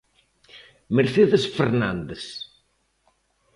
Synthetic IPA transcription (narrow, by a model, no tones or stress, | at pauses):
meɾθeðesfeɾnãnd̪es